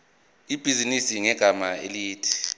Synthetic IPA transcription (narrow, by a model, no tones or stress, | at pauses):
ib̥ʱizinisiŋɛɡ̥ʱamaḛliːtʰi̥